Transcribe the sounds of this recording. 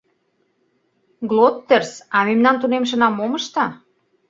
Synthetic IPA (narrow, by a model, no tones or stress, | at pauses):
ɡlot̪ːĕrsɑmemnɑnt̪unemʃ̬ə̆nɑmːomə̆ʃt̪ɑ